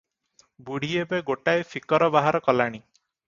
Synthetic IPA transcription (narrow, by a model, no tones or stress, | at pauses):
buɽ̤iebeɡoʈajfʰikɔɾɔbaɦaɾɔkɔlaɽ̃i